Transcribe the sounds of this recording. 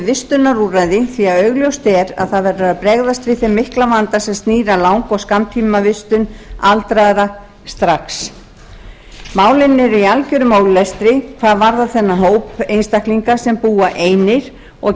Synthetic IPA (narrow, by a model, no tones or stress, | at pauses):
vɪst̪ʏnːaruːɾajðɪθiaœɥɣljowst̪ɛɾa̰ðθaðvɛɾaaðpɾɛɣðast̪vɪθɛmːɪhklavant̪asɛmst̪niːɾalawŋkɔɣskamt̪ʰimavɪst̪ʏnalt̪ɾaðɾa | st̪ɾahks | maːwlɪnːɪɾialcʏɾʏmoːwllɛst̪ɾɪkʰv̥aːðvaɾðaθɛnːaɦoːwpejnst̪ahkliŋkasɛmpuːaʔeːjnɪɾ̥ | ɔɣ